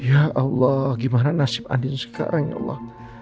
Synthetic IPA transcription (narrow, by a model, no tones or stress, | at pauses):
jaʔɔlːɔhɡimananasɪp̚a̰ndɪnsə̥ka̰ɾaŋja̰ʔlˠˤːɑ̰h